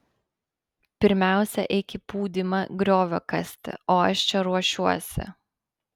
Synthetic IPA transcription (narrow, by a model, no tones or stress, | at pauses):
pʲɪɾʲmʲæˑʊsʲɛ̰ʔɛɪkʲɪpuːd̪ʲɪmɐɡɾʲoːʋʲoːkɐsʲt̪ʲɪ̰oːɐʃt͡ʃʲɛɾuɔʃʲuɔsʲɪ̰